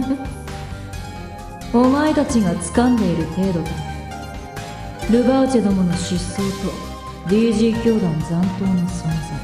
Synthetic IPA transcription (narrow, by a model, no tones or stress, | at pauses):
omaet̪at͡ɕiɡat͡sɨ̥kãnd̪e̞iɾɯ̟t̪e̞ːd̪o̞t̪om | ɾɯ̟baɯ̟t͡ɕed̪omono̞ɕisɨːt̪o̞ | d̪ʲiːʑiːkʲo̞ːd̪ãnd͡zãnt̪o̞ːnosõnsa